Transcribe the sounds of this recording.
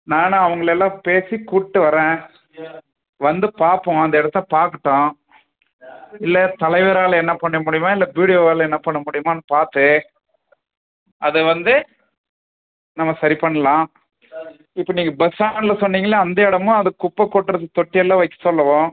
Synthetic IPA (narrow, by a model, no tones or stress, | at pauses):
nãːnãːɐʋɐŋɡɐɭɛlːãːpeːsikuːʈːɯʋɐɾɛ̃ː | ʋɐnd̪ɯpaːɾpõɐnd̪ɐɛɽɐt̪ːpaːɾkɯʈːõː | ɪlːɐt̪ɐlɐɪʋɐɾaːlɐɛnːɐpɐɳːɐmʊɽɪjɯmãːɪlːɐʋiːɽɪjoːaːlɛnːɐpɐɳːɐmʊɽɪjɯmaːnːɐpaːɾt̪ːɯ | ɐðɯʋɐnd̪ɯ | nɐmːɐsɐɾipɐɳːɐlãː | ɪpːɐniːŋɡɐbɐsaːnlɐsɔnːiːŋɡɐlɐːnd̪ɐɪɽɐmʊ̃ɐðɯkʊpːɐkːɔʈːɯɾɐðɯt̪ɔʈːɪɛlːãːʋɐɪkːɯ̥sɔlːɐʋõː